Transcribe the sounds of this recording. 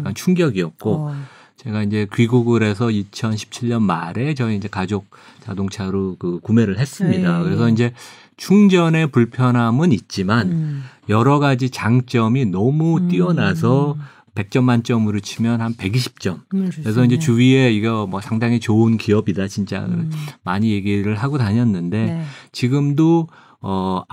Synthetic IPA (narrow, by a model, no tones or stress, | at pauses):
k͈ant͡ɕʰuŋɡjʌɡiʌt̚k͈o | t͡ɕe̞ɡaind͡ʑe̞kɥiɡuɡɯɾe̞s̬ʰʌit͡ɕʰʌnɕʰi̥p̚t͡ɕʰiɭɲʌnmaɾe̞t͡ɕʌiind͡ʑe̞kad͡ʑok̚t͡ɕadoŋt͡ɕʰaɾokɯkume̞ɾɯɭɦe̞s͈ɯmɲidakɯɾe̞s̬ʰʌind͡ʑe̞ | t͡ɕʰuŋd͡ʑʌne̞puɭpʰjʌnɦamɯnit̚t͡ɕ͈imanjʌɾʌɡad͡ʑit͡ɕaŋt͡ɕ͈ʌminʌmut͈iʌnas̬ʰʌ | pe̞k̚t͡ɕ͈ʌmːant͡ɕ͈ʌmɯɾot͡ɕʰimjʌnhanpe̞ɡiɕʰi̥p̚t͡ɕ͈ʌmkkɯɾes̬ʰʌind͡ʑe̞t͡ɕuie̞iɡamwʌsʰaŋdaŋit͡ɕounkiʌbidat͡ɕint͡ɕ͈a̰maɲije̞ɡiɾɯɭɦaɡotaɲʌnːɯnde̞t͡ɕiɡɯmdo | ʌ